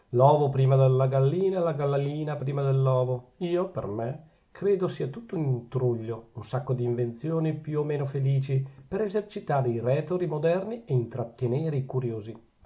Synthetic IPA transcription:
lɔːvopɾiːmad̪elːaɡalːiːnalaɡalːalːiːnapɾiːmad̪elːɔːvoiːopḛrme | kɾeːd̪osiːat̪ut̪ːoint̪ɾuʎːounsakːod̪iːɱvent̪sjoːnipjuomeːnofeliːt͡ʃipeɾezert͡ʃit̪aːɾeirɛːt̪oɾimod̪ɛrnieint̪ɾat̪ːeneːɾeikuɾjoːzi

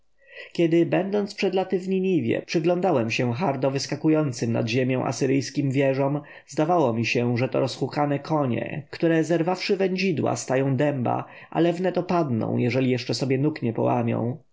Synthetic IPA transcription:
kʲɛd̪ɪbɛnd̪ɔnt̪spʂɛd̪lat̪ɪvɲiɲivʲjɛ̰pʂɘɡlɔ̃nd̪awɛmɕɛxaɾd̪ɔvɘskakujɔnt̪sɘmna̰d̪ʑemʲjɔ̃w̃ʔa̰sɘɾɘjskʲimvʲjɛʐɔm | zd̪avawɔmʲiɕɛʐɛt̪ɔ̰ɾɔsxukanɛkʰɔɲɛ̰kt̪uɾɛzɛɾvafʂɘvɛɲd͡ʑid̪wa̰st̪ajɔ̃w̃d̪ɛmba̰ | ʔa̰lɛvnɛt̪ɔpad̪nɔ̰̃w̃jɛʐɛlʲijɛʂt͡ʂɛsɔbʲjɛnukɲɛpɔ̰wa̰mʲjɔ̰̃w̃

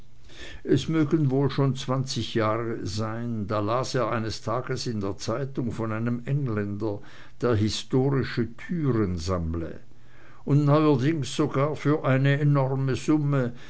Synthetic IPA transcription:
ʔɛsmøːɡənvoːlʃoːnt͡sv̥ant͡sɪçjaːʁəzaɪnd̥aːlaːseːɐʔa̰ɪnəstʰaːɡəsɪndeːɐt͡saɪtʊŋfɔnaɪnəmʔɛŋlɛndɐ | d̥eːɐɦɪstoːʁɪʃətʰyːʁənzamlə̰ | ʊntnɔʏɐdɪŋsz̥oɡaːɐfyːɐʔaɪnəenɔʁməzʊmə

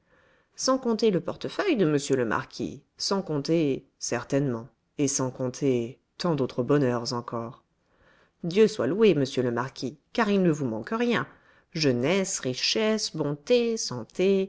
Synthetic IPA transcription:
sɑ̃kɔ̃t̪eləpɔʁt̪əfœjd̪əməsjøləmʔa̰ʁkʲḭsɑ̃kɔ̃t̪e | sɛʁt̪ɛnmɑ̃ | esɑ̃kɔ̃t̪ʰe | t̪ɑ̃d̪ot̪χəbɔnœʁzɑ̃kɔːʁ | d̪jøswa̰lweməsjøləmaʁkʲʰikaʁilnəvumɑ̃kəʁjɛ̃ | ʒənɛsʁiʃɛsbɔ̃t̪esɑ̃t̪e

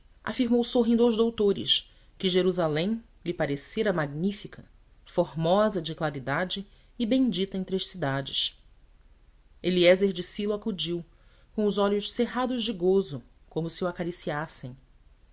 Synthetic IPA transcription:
ʔa̰fiɾmowsoɦĩd̪awzd̪owt̪oɾɪ̰ʃ | kɪʒeɾuzalẽj̃ | lɪpaɾeseɾɐmaɡnifikʰɐ | foɦmɔzɐd͡ʒɪklaɾid̪ad͡ʒɪː | bẽj̃d͡ʒit̪ɐẽt̪ɾeʃsid̪ad͡ʒɪs | eliɛzeɾd͡ʒɪsilʊakud͡ʒiw | kõʊzɔʎʊʃseɦad̪ʊʒd͡ʒɪɡozʊ | kõmʊsɪuakaɾisiasẽj̃

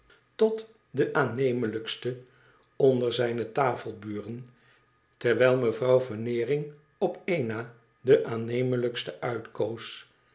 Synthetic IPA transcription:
tɔt | dəʔaːnejmələkstə | ɔndəɹzɛjnətaːfəlˠbyːrən | tɛɹʋɛjlˠməvrɑwvɔnɪːrɪŋ | ɔpejnaː | dəʔaːnejmələkstəʔœɥtkows

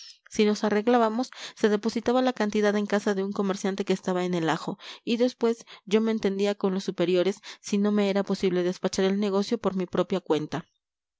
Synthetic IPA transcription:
sino̞sare̞ɣlaβamo̞sːe̞ðe̞po̞sit̪aβalakant̪iðaðe̞ŋkasaðe̞uŋko̞meɾsjant̪e̞keːst̪aβae̞ne̞laxo̞iðe̞spwe̞zʝo̞me̞ːnt̪e̞nd̪iako̞nlo̞sːupe̞ɾjo̞ɾe̞sːino̞me̞e̞ɾapo̞siβle̞ðe̞spat͡ʃaɾe̞lne̞ɣ̞o̞sjo̞po̞ɾmipɾo̞pjakwe̞nt̪a

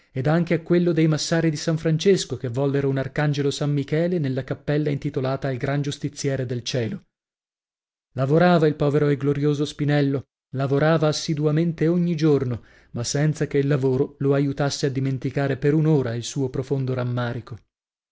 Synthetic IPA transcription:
ed̪aŋk̟eakːwelːod̪ejmasːaːɾid̪isaɱfɾant͡ʃeskokevːɔlːeɾounarkand͡ʒelosamːikɛːlenelːakapːɛlːaint̪it̪olaːt̪aːlɡɾand͡ʒust̪it̪sːjɛːɾed̪elt͡ʃɛːlo | lavoɾaːvailpɔːveɾoeɡloɾjoːzospinɛlːo | lavoɾaːvaːsːid̪uament̪eoɲːid͡ʒorno | masːɛnt̪sakeilːavoːɾoloajut̪asːead̪ːiment̪ikaːɾepeɾunoːɾailsuːopɾofond̪oɾamːaːɾiko

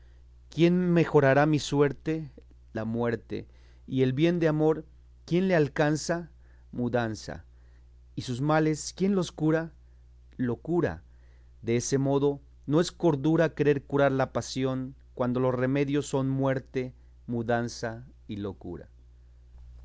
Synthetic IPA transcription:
kje̞nme̞xo̞ɾaɾamiswe̞ɾt̪e | lamwe̞ɾt̪e̞̰ | ie̞lβje̞nd̪eamo̞ɾ | kje̞nlealkansa | muðansa̰ | isuzmale̞skje̞nlo̞skuɾa | lo̞kuɾa̰ | ðeese̞mo̞ðo̞ | no̞e̞sko̞ɾðuɾakeɾe̞ɾkuɾaɾlapasjo̞ŋ | kwand̪o̞lo̞sre̞me̞ðjo̞sːo̞nmwe̞ɾt̪e̞ | muðansa | ilo̞kṵɾa̰

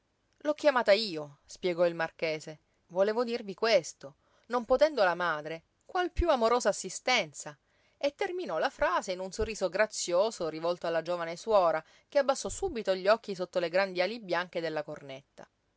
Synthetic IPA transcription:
lɔkːjamaːt̪aiːospjeɡɔilmarkeːse | voleːvod̪irvikwest̪o | nompot̪ɛnd̪olamaːd̪ɾe | kwalpjuamoɾoːzaːsːist̪ɛnt̪sa | et̪ːerminɔlafɾaːzeinunsorːiːzoɡɾat̪sːjoːzorivɔlt̪oalːad͡ʒoːvaneswɔːɾa | keabːasːɔsuːbit̪oʎːɔkːis̬ot̪ːoleɡɾand̪ialibjaŋk̟ed̪elːakornet̪ːa̰

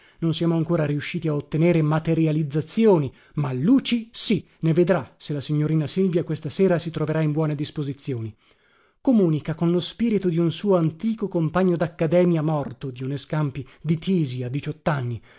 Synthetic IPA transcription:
nonsijaːmoaŋkoːɾaɾiuʃːiːt̪iaot̪ːeneːɾemat̪eɾjalid̪zːat̪sːjoːni | malːuːt͡ʃisi | neved̪ɾaselasiɲːoɾiːnasilvjakwest̪aseːɾasit̪ɾoveɾaimbwɔːned̪ispozit̪sːjoːni | komuːnikakonlospiːɾit̪od̪iunsuːoant̪iːkokompaɲːod̪akːad̪ɛːmjamɔrt̪od̪iuneskampid̪it͡ʃ̪ʰiːziad̪ːit͡ʃɔt̪ːanːi

